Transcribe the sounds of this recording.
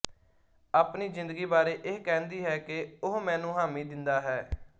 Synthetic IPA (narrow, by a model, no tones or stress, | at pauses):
aːpniːzɪ̃nd̪əɡiːbaːɾeːʔeːkɛ̃ːnd̪iːɦɛːkeʊɦmɛ̃ːnũːɦaːmĩːd̪ɪnd̪aːɦɛː